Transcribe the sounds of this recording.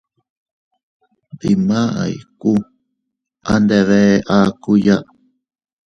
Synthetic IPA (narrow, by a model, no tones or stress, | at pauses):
bimaʔa̰iku | ʔand̪eβeʔakujaʔ